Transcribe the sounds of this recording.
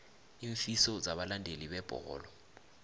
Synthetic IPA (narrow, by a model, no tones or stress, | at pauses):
iɱfisɔd͡zaɓalandʱeliɓɛb̥ʱɔ̰ɣɔ̰ːlɔ